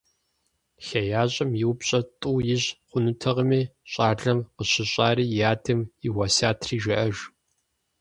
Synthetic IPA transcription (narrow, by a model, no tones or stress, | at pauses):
xɐjaːɕʼɐmjɪwpɕʼɐtʼuːjɪʑχʷʊnɨtʰɐʁəmiːɕʼaːɮɐmqəɕɪɕʷʼaːɾiːjaːtʰɨmɪwɐsaːtʰriːʒɐʔɐʒ